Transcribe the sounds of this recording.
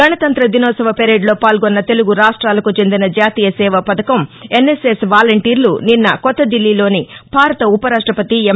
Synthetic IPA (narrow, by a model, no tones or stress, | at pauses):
ɡɐnɐt̪ɐnt̪ɾɐd̪inɔːsɐʋɐpeɾeːɖlo̞ːpaːlɡonːɐt̪eluɡuɾaːʂʈɾaːlɐkut͡ʃe̞nd̪inɐd͡ʒaːt̪iːjɐsɛːʋɐpɐd̪ɐkɐmenːesesʋaːlɐɳʈiːɾluninːɐkɔt̪ːɐd̪ilːilo̞ːnib̥ʱaːɾɐt̪ɐupɐɾaːʂʈɾɐpɐt̪ie